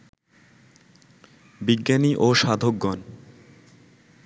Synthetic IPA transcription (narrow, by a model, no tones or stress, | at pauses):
biɡːaniʔoʃad̪ʱoɡːɔn